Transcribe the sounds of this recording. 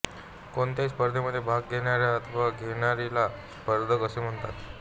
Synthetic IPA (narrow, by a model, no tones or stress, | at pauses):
koɳt̪jaspəɾd̪ʱeməd̪ʱːjebʱaɡɡʱeɽjaɾjaət̪ʰəʋaɡʱeɽ̃aɾilaspəɾd̪ʱəkəsem̤əɳt̪a̰t̪